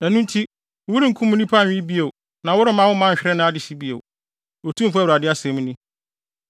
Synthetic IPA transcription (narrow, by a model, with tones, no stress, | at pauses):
næ̃˨nũ˦n˦tʰi˦˨ | wu˦ɾĩ˦ŋ̩˨kʰũ˦mːũ˦nĩ˦pʰã˦˨ĩ˦bi˦e˨w | nã˨wʊ˦ɾɪ˦mã˦wʊ˦mã˦˨ɕᶣɾɛ˦nʊ̃˦a˦dɪ˨si˦bi˦ḛ˨ | o˨tʰũ˦m̩˨fu˦a˦˨u˨ɾa˨dɪ˦a˦sẽ˨˦mũ˦nĩ˦